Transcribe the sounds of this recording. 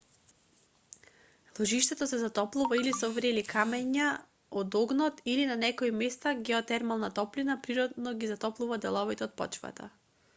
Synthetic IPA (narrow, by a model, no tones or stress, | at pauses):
lˠɔʒiʃt̪ɛt̪ɔsɛzat̪ɔplˠuvailisɔvɾɛlikʰamɛɲa | ɔd̪ɔɡnɔt̪ilinanɛkɔimɛst̪aɡɛɔt̪ɛɾmalˠnat̪ɔplinapɾiɾɔd̪nɔɡizat̪ɔplˠuvad̪ɛlˠɔvit̪ɛɔt̪̚pɔ̰t͡ʃva̰t̪a̰